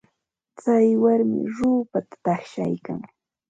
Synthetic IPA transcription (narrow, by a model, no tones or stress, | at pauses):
t͡sajwaɾmɪ̰ɾuːpat̪ḁt̪aχʃa̰jka̰ŋ